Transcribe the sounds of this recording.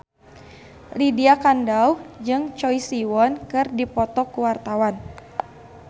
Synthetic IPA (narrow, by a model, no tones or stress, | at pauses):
lidiakandauhd͡ʒɨŋt͡ʃɔjsiwɔnkɨrdipɔt̪ɔkuwart̪awan